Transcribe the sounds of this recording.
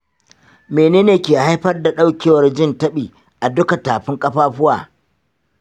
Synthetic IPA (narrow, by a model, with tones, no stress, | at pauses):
meː˨neː˦neː˨kʲeː˨ha˦jɸɐ˦rda˨ɗa˦wkʲeː˦˨wɐ˨rd͡ʒɪ˦ntɐ˦ɓiː˨ | ʔa˨dʊ˦ka˨taː˨ɸɪ˦ŋkʼɐ˦ɸaː˦ɸʊ˦waː˨